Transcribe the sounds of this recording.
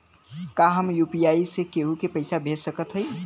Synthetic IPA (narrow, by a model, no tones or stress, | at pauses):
kaɦəmjupijaisekeɦukepəɪsabʱesəkət̪ɦəj